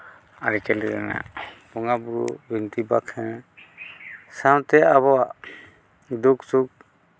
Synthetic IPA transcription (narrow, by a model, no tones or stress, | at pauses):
aɾikɛliɾɛ̰na̰bɔŋabuɾṵbint̪ibakʰɛ̃ | sawt̪ɛaβɔa | d̪uksuk̚